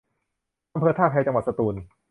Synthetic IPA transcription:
ʔa˧mpʰɤː˧t̪ʰaː˥˩kʰa˧jt͡ɕa˧ŋwa˨˩sa˧t̪uː˧n

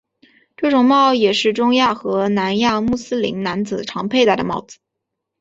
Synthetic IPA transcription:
ʈ͡ʂɤ˥˩ʈ͡ʂʊ˨˩ŋmɑ˥˩ʊjɛ˨˩ʂɻ̩˥˩ʈ͡ʂʊ˥ŋja˥˩xɤ˧˥na˧˥nja˥˧mu˥˩sɹ̩˥lḭ˧˥nna˧˥nt͡sɹ̩˨˩ʈ͡ʂʰɑ˧˥ŋpʰe˥˧ɪt̪a˥ɪd̪ə˩mɑ˥˩ʊd͡zɹ̩˨˩˦

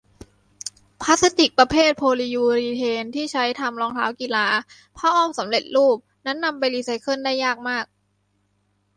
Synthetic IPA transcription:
pʰaː˦˥sa˦˥t̪i˨˩k̚pɾa˧pʰeː˥˩t̪̚pʰoː˧liː˧juː˧ɾiː˧t̪ʰeː˧nt̪ʰiː˥˩t͡ɕʰa˦˥jt̪ʰa˧mlɔː˧ŋt̪ʰa̰ː˦˥wki˨laː˧ | pʰɔː˦˥˩ʔɔː˥˩msa˩˦mle˨˩t̪̚luː˥˩p̚na˦˥nːa˧mpa˧jliː˧˩sa˨˥jkʰɤ˥˩ndaː˥˩jːaː˥˩k̚maː˥˩k̚

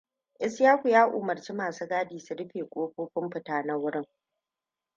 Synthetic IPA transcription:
ʔɪ˦sjaː˦kʷu˨jaː˦ʔʊ̰ː˨mɐ˨rt͡ʃi˦maː˨su˦ɡaː˦diː˨su˨ɽɪ˦ɸeː˨kʷʼoː˦ɸʷoː˦ɸɪ˦mɸɪ˨taː˨na˦wʊ˦ɽɪ˦ŋ

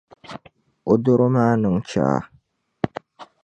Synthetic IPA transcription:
o˨do˦ɾo˦maː˦nɨ˨ŋ˦t͡ʃa̰ː˦˨

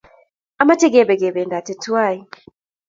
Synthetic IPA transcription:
a˨ma˦tɛ˦ɡe˨bɛ˨ɡe˨be˨nda˨tɛ˨tu˦wa˦˨ji˨

